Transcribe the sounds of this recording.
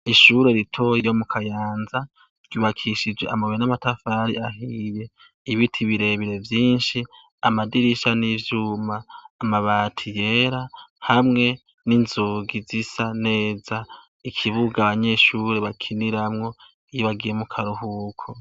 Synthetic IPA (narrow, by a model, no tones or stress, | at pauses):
iʃuɾe̞ɾitʰo̞jijo̞mukʰajaːnza | ɾɟ̥uːβakʰiʃid͡ʒweʔa̰maβenamatafaɾḭaɦije̞ | iβitʰiβiɾe̞βiɾe̞vjiːnʃi | amadiɾiʃanivjumaːmaβatʰije̞ːɾahamŋe̞ | ninzuːɡizisane̞ːza | ikʰiβuɡaːβaɲe̞ʃuɾe̞βakʰiniɾamŋo̞ | ijoβaɡijemukʰaɾuhukʰo